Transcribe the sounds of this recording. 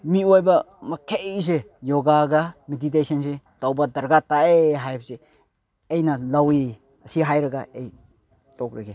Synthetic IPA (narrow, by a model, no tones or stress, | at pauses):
miojbɐ | mɐkʰejs̬e | joɡaɡɐmedit̬esɐnsetawbadɐɾɡataeɦajp̚se | ejnɐlawi | ɐsiɦajɾɐɡaej | tɔk̚ɾɐɡe